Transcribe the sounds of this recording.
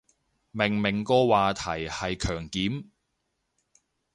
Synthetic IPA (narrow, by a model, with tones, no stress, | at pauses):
mɪ˨˩ŋmɪ˨˩ŋkɔː˧waː˨t̪ʰɐ˨˩jhɐ˨jkʰœː˨˩ŋkiː˨˥m